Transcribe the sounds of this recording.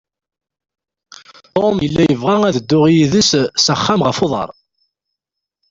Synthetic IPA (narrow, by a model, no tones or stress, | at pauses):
t̪omjəlːæjəvʁaæðəd̪ːʊʁjiðəssæχːæmʁəfoðˤɑ̰ɾˤ